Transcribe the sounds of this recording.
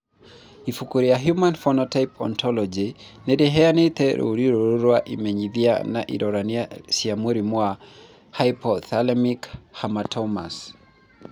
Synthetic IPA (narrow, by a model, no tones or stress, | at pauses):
ifukuɾiaɦjumanfɔnɔtajpʰɔ̰ntɔlɔd͡ʒinɛɾɛɦɛanit̪ɛɾṵɾiɾuɾuɾwaʔḭmɛɲiðia̰na̰ʔḭɾɔɾaniasiamuɾimwa | hajpɔθalɛmikhamatʰɔma̰s